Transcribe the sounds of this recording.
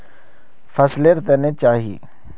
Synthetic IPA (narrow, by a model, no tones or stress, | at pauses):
fʰɐsleɾt̪enet͡ʃaːɦḭ